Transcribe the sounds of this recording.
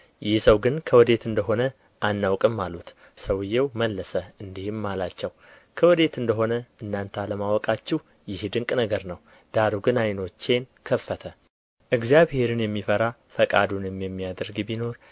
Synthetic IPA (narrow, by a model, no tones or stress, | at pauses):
jɪhsəwɡɨnkʰəwɔd̪e̞t̪ɨnd̪əɦo̞nə | ʔanːawkʼɨmːalut̪ | səwɨjːewməlːəsəɨnd̪ihɨmːalat͡ʃːɛw | kʰəwɔd̪e̞t̪ɨnd̪əɦo̞nəʔɨnːant̪ʰaləmawɔkʼat͡ʃːɪw | jɪhd̪ɨŋkʼnəɡəɾnəw | d̪̥aɾuɡɨnajno̞t͡ʃːe̞nkʰəfːət̪ʰə | ʔɨɡzijaβhe̞ɾɨnjɛmːifəɾafəkʼad̪unjɛmːijɛmːijad̪əɾɡbino̞ɾ